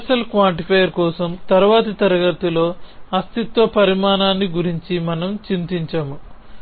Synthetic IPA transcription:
sɐlkʋaːɳʈipʰɐjɐɾkɔːsɐmt̪ɐɾuʋaːt̪ɐt̪ɐɾɐɡɐɾt̪ulo̞ːɐst̪it̪ʋɐpɐɾimaːnaːnːiɡuɾiɲt͡ʃimɐnɐmt͡ʃint̪iɲt͡ʃaːmu

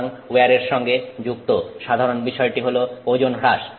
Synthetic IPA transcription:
ŋweaɾeɾʃɔŋɡed͡ʑuk̚t̪oʃad̪ʱaɾonbiʃɔeʈiɦolood͡ʑonɦɾaʃ

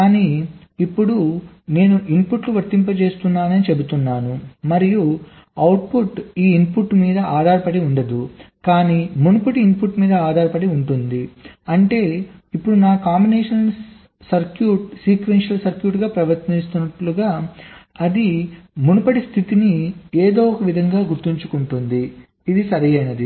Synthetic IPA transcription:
kaːniːipːuɽu | ne̞ːnuʔimpuʈluʋɐɾt̪ːimpɐt͡ʃe̞ːst̪unːaːnɐnit͡ʃe̞but̪unːaːnumɐɾiju | ɐwʈ̚puʈiːnpuʈːmiːd̪ɐaːd̪ʱaːɾɐpɐɽiuɳɖɐd̪ukaːniːmunupɐɽiːnpuʈmiːd̪ɐaːd̪ʱaːɾɐpɐɽiuɳʈund̪iɐɳʈe̞ːipːuɽunaːkaːmbineːʂɐnn | sɐɾkjuːʈ̚siːkʋenʂɐlsɐɾkjuːʈɡaːpɾɐʋɐɾt̪nist̪unːɐʈluɡaː | ɐd̪imunupɐɽist̪ʰit̪inieːd̪o̞ːɔkɐʋid̪ʱɐŋɡaːɡuɾt̪iɲt͡ʃukuɳʈund̪iː | d̪isɐɾɐjɐjnɐd̪i

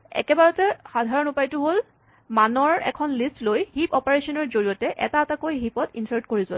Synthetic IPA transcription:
ɛ̰kɛbaɹɔtɛxadʱaɹɔnupajtʊɦol | manɔɹɛ̰kʰɔnlistlojhipɔpaɹesɔnɔɹzoɹiɔtɛʔɛ̰taːtakojɦipɔtinsaɹtkoɹizɔl

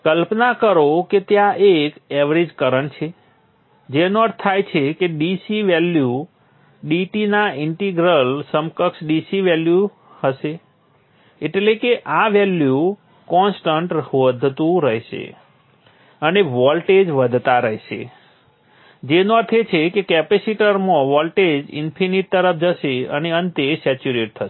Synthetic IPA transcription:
kəlpnakəɾoket̪jãʔekɛʋɾed͡ʒkəɾəɳt͡ʃʰe | d͡ʒenɔʈt̪ʰajt͡ʃʰekeɖisiʋɛlju | ɖiʈinaɪɳʈiɡɾəlsəmkəksɖisiʋɛlju | həʃeː | ʈlekeʔaʋɛlju | kɔnsʈəɳʈʋəd̪ʱt̪ũɾəɦeʃḛ | əneʋɔlʈed͡ʒʋəd̪ʱt̪aɾəɦeʃḛ | d͡ʒenɔt̪ʰet͡ʃʰekekɛpesiʈəɾmõʋɔlʈed͡ʒɪ̰npʰiniʈ̚t̪əɾəp̚ʰd͡ʒəʃeə̰neənt̪esɛt͡ʃuɾeʈ̚t̪ʰəʃe

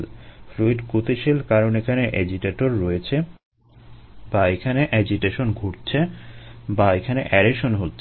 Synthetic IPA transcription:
lfɾuiɖkot̪iʃilkaɾonekʰaneʔɛd͡ʑiʈeʈoɾːɔjet͡ɕʰe | baekʰaneʔɛd͡ʑiʈeʃonɡʱoɾt͡ɕʰe | baekʰaneʔɛɾeʃonɦotːʰe

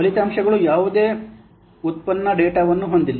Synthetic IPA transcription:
ɐlit̪aːmʂɐɡɐɭujaːʋud̪e̞ː | ut̪̚pɐnːɐɖeːʈaːʋɐnːuɦo̞nd̪ilːi

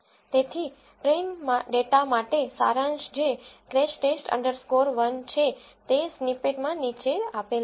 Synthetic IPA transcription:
t̪et̪ʰi | pɾenmaɖeʈamaʈesa̰ɾãnd͡ʒd͡ʒekɾeʃʈesʈə̰ɳɖəɾskoɾʋənt͡ʃʰet̪esnipeʈmãnit͡ʃeapel

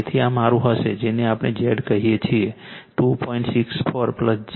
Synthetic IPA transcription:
t̪ʰiamaɾũɦəʃed͡ʒeneapned͡ʒeɖkəɦijet͡ʃʰieʈupɔ̃iɳʈsikspəɾpləs

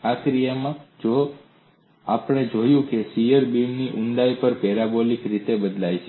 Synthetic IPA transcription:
akɾijəmãd͡ʒo | apəɽ̃ed͡ʒojũkesijəɾbimniʔuɳɖ̪aipəɾpɛɾabolikɾit̪ebəd̪lajt͡ʃʰe

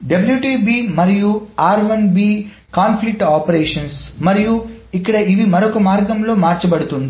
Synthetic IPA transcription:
ɖɐbljuːʈiːbiːmɐɾijuaːɾʋɐnbiː | kaːnpʰlik̚ʈaːpɐɾeːʂɐnsmɐɾijuikːɐɽɐiʋimɐɾokɐmaːɾɡɐmlo̞ːmaːɾt͡ʃɐbɐɽut̪und̪i

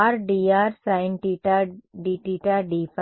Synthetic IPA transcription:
aɾɖiaːɾsaɪ̃ɳʈiʈaɖiːʈiːʈaɖip

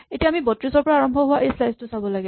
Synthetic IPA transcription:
etijaːmibɔtɹisɔɹpɔɹaaɹɔmbʱɔɦʊwaʔejslajztʊsabɔlaɡɛ

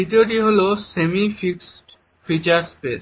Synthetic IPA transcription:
it̪ioʈ̬iɦolosemifiksʈ | fit͡ɕaɾspes

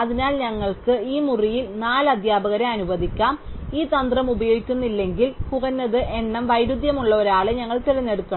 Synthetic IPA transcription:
ɐðinaːlɲɐŋːɐɭkɨiːmurijilnaːlɐd̪ʱjaːbɐɣɐɾɐɐnubɐðikʲːaːmiːt̪ɐnd̪rɐmubɐjo̞ːɡikʲːunːilːe̞ŋɡilkuɣɐnːɐðɨʔe̞ɳːɐmʋɐjɾud̪jɐmuɭːɐo̞ɾaːɭɨɲɐŋːɐɭt̪iɾɐnːe̞ɽukːɐɳ

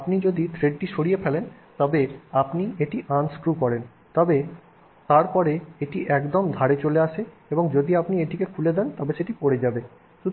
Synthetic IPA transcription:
apnid͡ʑod̪it̪ʰɾeɖ̚ʈiʃoɽijepʰɛlen | t̪ɔbeapnieʈiʔanskɾukɔɾen | t̪ɔbe | t̪aɾpɔɾeeʈiʔɛkd̪omd̪ʱaɾet͡ɕoleaʃʰe | eboŋd͡ʑod̪iapnieʈikekʰuled̪ɛnt̪ɔbeʃeʈipoɽɾed͡ʑabe | ʃu

